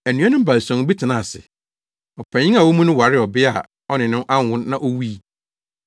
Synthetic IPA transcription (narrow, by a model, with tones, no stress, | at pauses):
æ˨nũ˦a˦nʊ̃˦m˦ba˨lsɔ̃˨˦bi˦tʰɪ˨nã˦˨sɪ̰˨ | ɔ˨pʰæ̃˨ɲɪ̃˦a˨wo˦mũ˦nʊ̃˦wa˨ɾɪ˦ɔ˨bɪ˦a˨ | ɔ˦nɪ̃˨nʊ̃˦ʔa˦˨hʊ̃˦nːã˦ʔo˦wi˦˨